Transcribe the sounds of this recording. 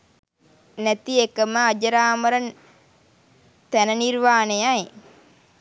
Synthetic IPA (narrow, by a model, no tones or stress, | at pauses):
nɛt̪iekəməad͡ʒəɾaːməɾən | t̪ænəniɾʋaːnejaj